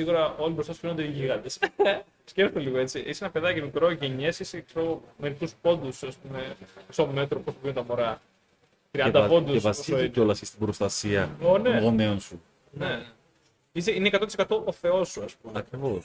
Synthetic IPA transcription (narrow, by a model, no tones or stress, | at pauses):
siɣuɾɐo̞libɾo̞st̪ɐsu̥nond̪eiʝiɣɐnd̪e̞s | sceft̪oliɣo̞e̞t͡sisenɐpe̞ðɐcimikɾo̞ʝe̞ɲesiseksomeɾik̪uspo̞nd̪usɐspume̞ksome̞t̪ɾoposuvint̪ɐmoɾɐ | t̪ɾiɐd̪ɐpo̞nd̪usevɐssoio̞lɐsist̪ibɾost̪ɐsiɐoneɣoneonsu | ne | iseinekɐt̪ot̪isekɐt̪oʔoθe̞o̞suɐspumeɐkɾivos